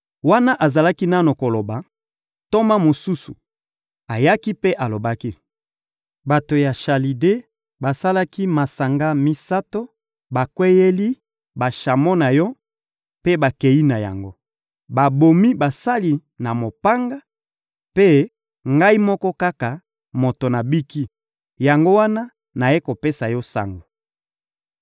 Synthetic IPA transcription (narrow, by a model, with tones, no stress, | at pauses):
wa˦na˦ʔa˨za˨la˦ki˦na˦no˨ko˨lo˨ba˨ | to˦ma˦mo˨su˦sṵ˨ | a˨ja˦ki˦pe˦ʔa˨lo˨ba˦ki˦ | ba˨to˨ja˨ʃa˨li˨de˦ | ba˨sa˦la˦ki˦ma˨sa˨ŋɡa˦mi˦sa˦to˦ | ba˨kwe˦je˦li˦ | ba˨ʃa˨mɔ˦na˨jɔ˦ | pe˦ba˨ke˨ji˦na˨ja̰˨ŋɡo˦ | ba˨bo˨mi˦ba˨sa˦li˨na˨mo˨pa˦ŋɡa˦ | pe˦ | ŋɡa˦i˦mɔ˦kɔ˦ka˦ka˨ | mo˨to˨na˨bi˦ki˦ | ja˨ŋɡo˦wa˦na˦ | na˨je˦ko˨pe˦sa˨jɔ˦sa̰˦ŋɡo˨